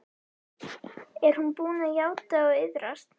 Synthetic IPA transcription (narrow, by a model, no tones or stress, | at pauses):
ɛɾ̥hunpuːnajaːwt̪aɔɣɪðɾast̪n